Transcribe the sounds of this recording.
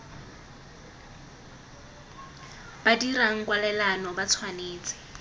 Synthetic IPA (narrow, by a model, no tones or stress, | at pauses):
b̥adiraŋ̩kwalɛlanɔbat͡sʰwaneːt͡sɪ̥